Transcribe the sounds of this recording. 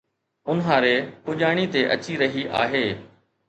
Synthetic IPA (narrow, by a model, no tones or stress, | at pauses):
ʊnɦaːɾekʊʄaːɽ̃it̪eʔɐ̰t͡ɕiɾɐɦiʔa̰ːɦeː